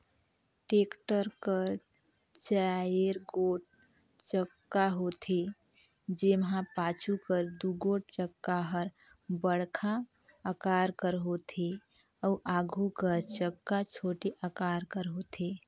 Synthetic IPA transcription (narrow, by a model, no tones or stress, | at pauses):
ʈekʈəɾkəɾ | t͡ʃaeɾɡoʈ̚ | t͡ʃəkːaɦot̪ʰe | d͡ʒemɦãpat͡ʃʰukəɾd̪uɡoʈ̚t͡ʃəkːaɦəɾ | bəɽkʰa | əkaɾkəɾɦot̪ʰe | əuʔaɡʱukəɾt͡ʃəkːat͡ʃʰoʈeʔəkaɾkəɾɦot̪ʰe